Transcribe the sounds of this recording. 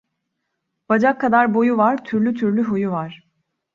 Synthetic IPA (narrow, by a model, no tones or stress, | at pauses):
b̥ad͡ʒakʰːad̪aɾbo̞juvaɾt̪ʰyɾlʲyt̪ʰyɾlʲyɦujuvaɾ̥